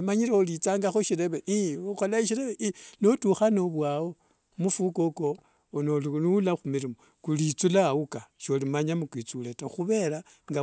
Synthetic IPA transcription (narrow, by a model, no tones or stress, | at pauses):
imaɲiɾeolit͡saːŋɡaxoʃiɾe̞βeʔioxolaiʃiɾeβeʔinotuxano̞βwawo̞ | mufukoko | nolulaxumiɾimo | kulit͡sulaukaʃolimaɲamukwit͡suletaxuβe̞ɾa | ŋɡa